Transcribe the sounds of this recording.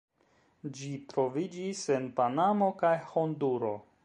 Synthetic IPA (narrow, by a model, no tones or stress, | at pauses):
d͡ʒitɾo̞vid͡ʒise̞npanamo̞kajho̞nduɾo̞